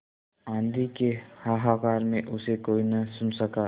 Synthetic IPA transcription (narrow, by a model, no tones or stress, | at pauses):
ãːnd̪ikehaːɦaːkaːɾmẽʔʊsekoːinəsʊnsəka